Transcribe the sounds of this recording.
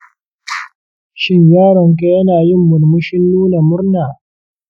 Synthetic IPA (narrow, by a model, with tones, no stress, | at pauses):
ʃɪ˦ɲjaː˦ɽɐ˨ŋk̬a˦jɐ˦naː˨jɪ˦˨mːʊ˨rmʊ˦ʃɪ˦nːuː˦na˨mʊ˦rnaː˨